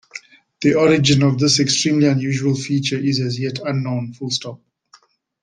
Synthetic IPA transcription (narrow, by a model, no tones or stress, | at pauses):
ð̥iɔɹɪd͡ʒɪ̃nɔvd̪ɪsɛkstɹĩːmliãnjuːʒuəlˠfiːt͡ʃəɪzɛzjɛtʰãnːõʊ̃nfʊlstɔp̚